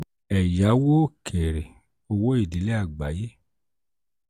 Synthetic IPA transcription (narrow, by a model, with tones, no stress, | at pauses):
ɛ˨ja˨˦wo˦˨kʰe˨ɾe˨ | o˧wo˦i˦˨di˨˦le˦a˨ɡ͡ba˨˦je˦